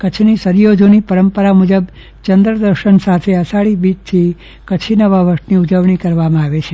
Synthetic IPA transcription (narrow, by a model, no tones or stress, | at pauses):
kət͡ʃʰnisəɾjod͡ʒonipəɾəmpəɾamud͡ʒəb | t͡ʃənd̪ɾəd̪əɾʃənsat̪ʰeəsaɭibit̪t̪ʰːi | kət͡ʃʰinəʋaʋəʈniud͡ʒəʋɳ̃ikəɾʋamãaʋet͡ʃʰe